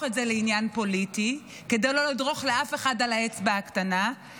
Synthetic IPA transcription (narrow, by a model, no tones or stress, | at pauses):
χetzeleinjanpo̞liti | ke̞dejlolidʁo̞χleafe̞χadalaet͡sbeaktana